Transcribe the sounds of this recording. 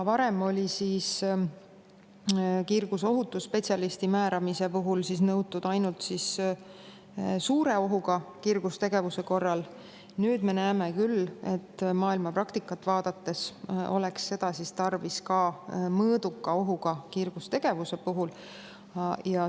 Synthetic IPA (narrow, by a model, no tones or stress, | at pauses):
vɑɾe̞mo̞lʲisiːs | kirɡ̥uso̞ɦut̪ːˑuspe̞t̪ʲsʲjɑlist̪imæːɾɑmise̞puɦulsis̬nɤwt̪ːud̪̥ɑjnult̪sis | suːɾe̞o̞ɦuɡ̥ɑkirɡ̥ust̪eɡ̥e̞vuse̞ko̞rːɑl | nyːd̪̥me̞næːmekylːe̞t̪ːmɑːilmɑprɑkt̪ikːˑɑt̪ːˑvɑːd̪ɑt̪ːe̞so̞̰le̞ksːe̞d̪̥ɑsist̪ɑrviskɑmɤːd̪̥ukːˑɑo̞ɦuɡ̥ɑkirɡ̥ust̪e̞ɡ̥e̞vuse̞puɦul | jɑ